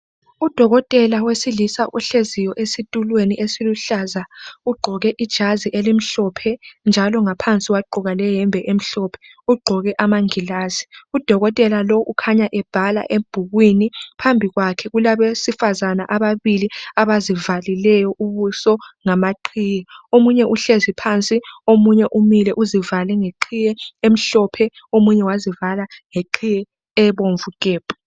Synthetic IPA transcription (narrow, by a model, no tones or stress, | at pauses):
ud̥ʱɔɣɔtʼɛlawesilisaʔuɬezijɔʔesitʼulweniʔesiluɬazauɡ͡ǃʱɔɣɛʔid̥ʒ̥ʱaziʔelim̩ɬɔpʰɛnd͡ʒʱalɔŋapʰant͡sʼiɣwaɡ͡ǃʱuɣalɛɦɛmbʱɛʔem̩ɬɔpʰɛ̥ | uɡ͡ǃʱɔɣɛʔamaŋilaːziud̥ʱɔɣɔtʼɛlalɔʔukʰaɲaʔɛb̥ʱala̰ʔeb̥ʱuɣwinipʰambʱiɣwakʰɛɣulaβesifazanaʔaβaβiliaβazivalilɛjɔʔuβusɔŋamaǃʰijɛomuɲɛʔuɬezipʰant͡sʼiomuɲɛʔumilɛʔuzivalɛŋeǃʰijɛem̩ɬɔpʰɛ | omuɲɛwazivalaŋeǃʰijɛ | ɛβoɱvukʼeːb̥ʱu̥